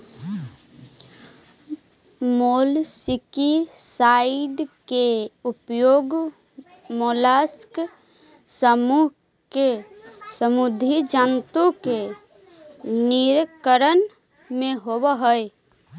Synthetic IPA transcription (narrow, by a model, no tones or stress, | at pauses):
molsikisaiɖ̪keupjoɡ | molask | səmuɦ | ke | səmud̪ʱid͡ʒənt̪oke | niɾkəɾən | mẽɦobəɦəj